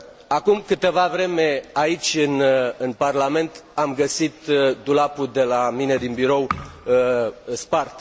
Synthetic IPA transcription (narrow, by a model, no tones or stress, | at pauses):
akumkɨt̪əvavɾe̞me̞ait͡ʃʲɨnɨnparlame̞nt̪amɡəsit̪d̪ulapud̪e̞lamine̞d̪inbiɾo̞w | spart̪